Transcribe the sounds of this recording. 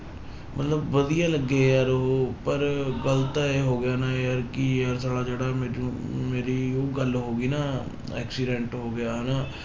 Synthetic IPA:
mət̪ləbʋəd̪ijaːləɡːeːjaɾɦopəɾɡələt̪aeːɦoːɡɪjaːnaːjəɾkiəɾsaːlaːd͡ʒeːɽaːmeɾomeːɾiːoːɡəlɦoːɡiːnaː | ɛ̰ːksiːɖɛ̃ːɳʈɦoːɡɪjaːɦnaː

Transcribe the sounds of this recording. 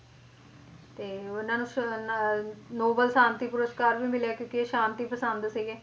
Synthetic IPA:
t̪eːʊnãːnũː | noːbəlsãːnt̪iːpʊɾəskaːɾʋiːmɪlaːkjõːkɪeːʃaːnt̪iːpəsənd̪siːɡeː

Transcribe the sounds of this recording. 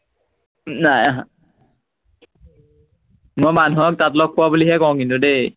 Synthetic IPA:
najaɦã | mojmanuɦɔk̚tatlɔk̚kːʊwabuliɦɛkɔw̃kintude

